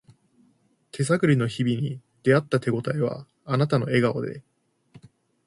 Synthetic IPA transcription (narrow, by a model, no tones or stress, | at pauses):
t̪ʰe̞s̬akɯ̟ɾʲino̞çibʲiɲ̟id̪̥e̞at̪ːat̪e̞ɡo̞t̪aeβa̰ː | nat̪ano̞e̞ɡao̰d̪e̞̰